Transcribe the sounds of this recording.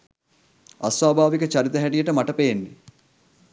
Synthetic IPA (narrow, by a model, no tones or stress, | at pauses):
a̰sʋaːbʱaːʋikət͡ʃaɾit̪əɦæɖijəʈəmaʈəpejenːe